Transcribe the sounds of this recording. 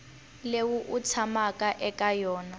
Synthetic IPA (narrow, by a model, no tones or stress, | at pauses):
lewuʔut͡sʰamakaʔɛkajɔːna